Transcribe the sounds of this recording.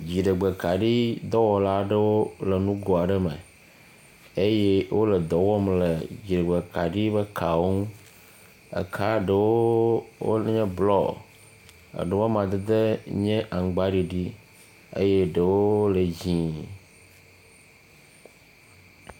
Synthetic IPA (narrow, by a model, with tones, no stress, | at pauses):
d͡ʑi˨ɖə˨ɡ͡be˨ka˨ɖi˦d̪ɔ˦wɔ˨la˦ɖə˦wo˦le˨nũ˦ɡɔ˨a˨ɖə˦me˨ | e˦je˦wʔo˦lə˨d̪ɔ˨wɔ˦mle˨d͡ʑi˨ɖe˨ɡ͡be˨ka˨ɖi˦bə˦kʰa˨wo˦ŋũ˦ | ə̰˨kʰa˦ɖə˨wo˦wo̰˦ɲɛ̃˦blɔ̰˦˨ | ə̰˨ɖe˨wɔ˦mã˨d̪e˦d̪e˦ɲɛ̃˦ʔa˨ŋ˨ɡ͡ba˦ɖi˦ɖi˦ | ḛ˦je˦ɖə˨wo˦lə˨d͡ʑĩ˨